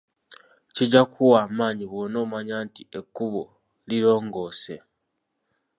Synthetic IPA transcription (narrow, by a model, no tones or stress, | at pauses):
ciɟakʰuwaːmaːɲiβoːnoːmaɲaːntiekːuβo | liɾo̞ːŋɡo̞ːse̞̰